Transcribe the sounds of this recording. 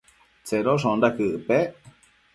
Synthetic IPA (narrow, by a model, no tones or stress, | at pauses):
t͡seɾoʂõnd̪akɨʔɨpe